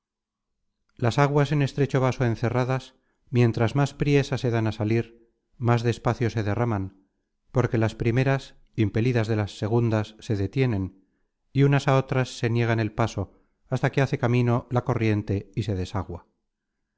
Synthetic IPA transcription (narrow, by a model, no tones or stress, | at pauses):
lasaɣwase̞ne̞st̪ɾe̞t͡ʃo̞β̞aso̞e̞nθe̞raðas | mje̞nt̪ɾazmaspɾje̞sase̞ðanasaliɾ | mazðeːspaθjo̞se̞ðe̞raman | po̞ɾke̞laspɾime̞ɾas | impe̞liðazðe̞lasːe̞ɣ̞und̪asːe̞ðe̞t̪je̞ne̞n | iunasao̞t̪ɾasːe̞nje̞ɣ̞ane̞lpaso̞ | ast̪ake̞aθe̞kamĩno̞lako̞rje̞nt̪e̞ise̞ðe̞saɣwa